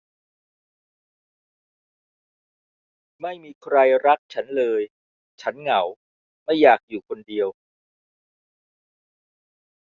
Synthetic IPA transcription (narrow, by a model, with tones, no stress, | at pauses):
ma˥˩jmiː˧kʰɾa˧jɾa˦˥k̚t͡ɕʰa˦˥nlɤː˧j | t͡ɕʰa˦˥nŋa˩˦w | ma˥˩jːaː˨˩k̚juː˨˩kʰo˧ndi˧əw